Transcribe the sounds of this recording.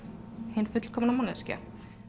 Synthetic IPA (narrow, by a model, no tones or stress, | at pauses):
henfʏt̪lkʰɔmnamɔnɛsca̰